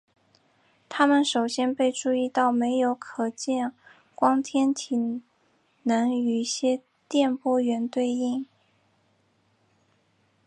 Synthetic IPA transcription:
t̪ʰa˥mə˨nʂo˨˩ʊɕjɛ˥npe˥˧ɪʈ͡ʂu˥˧i˥˧t̪ɑ˥˩ʊme˧˥ɪjo˧˥ʊkʰɤ˨˩t͡ɕjɛ˥˩n | kwɑ˥ŋt̪ʰjɛ˥nt̪ʰi˨˩ | nɤ˧˥ŋy˨˩ɕjɛ˥ | t̪jɛ˥˩npwɔ˥ɥɛ˧˥nt̪we˥˧ɪi˥˩ŋ

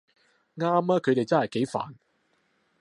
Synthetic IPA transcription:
ŋaː˥maː˥kʰɵ˨˧ɥɾe˨jt͡sɐ˥nhɐ˨jke˨˧˥jfa̰ː˨n

